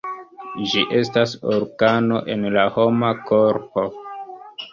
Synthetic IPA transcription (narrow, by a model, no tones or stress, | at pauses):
d͡ʒiʔe̞stasoɾɡano̞̰ʔe̞nlaho̞makoɾpo̞